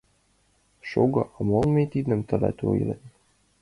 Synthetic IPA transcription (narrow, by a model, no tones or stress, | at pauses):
ʃoɡɤ̆ʔɑmolmet̪id̪ə̆mt̪ɤ̆lɑ̰t̪ʲo̰jlḛnʲ